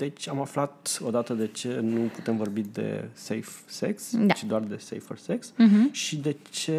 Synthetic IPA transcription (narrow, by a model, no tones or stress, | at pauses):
d̪et͡ʃʲamaflat̪o̞d̪at̪əd̪e̞t͡ʃe̞nuput̪e̞mvo̞rbid̪e̞̰sejfse̞ksat͡ʃid̪oard̪e̞sḛjforse̞ksʃid̪e̞t͡ʃe̞